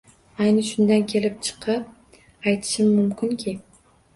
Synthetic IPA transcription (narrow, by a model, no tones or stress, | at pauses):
ajnɨʃʊnd̪ankʲʰe̞lɪp̚t͡ʃʰɨ̥qʰɨp̚ | ajt̪ʰɪ̥ʃɪmːʊmkʰʲɪnkʲʰɪ